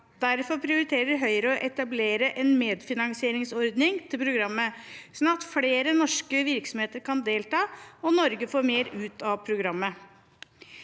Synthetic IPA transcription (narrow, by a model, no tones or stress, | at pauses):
d̪̥æɾfɔɾpʰɾɪʊɾɪt̪ʰeːɾəɾɦœʏəɾəɔʔɛt̪ɑbleːɾəʔɛnmeːd̪fɪnɑŋsɪeːɾɪŋsɔɾd̪nɪŋt̪ʰɪlpʰɾʊɡɾɑmːəsnɑt̪fleːɾənɔʂkəʋɪɾksɔm̩heːt̪əɾkʰɑnd̪eːlt̪ɑːɔnɔɾɡəfoːɾmeːɾʉːt̪ʰɑʋpʰɾʊɡɾɑmːə